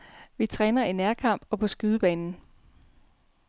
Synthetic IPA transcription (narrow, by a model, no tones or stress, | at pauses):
ʋit͡sʰʁɛːnɐinæɐkʰɑ̈m̰b̥ɒ̽pʰɒ̽sɡ̥yðˠəb̥ɛ̰ːnn̩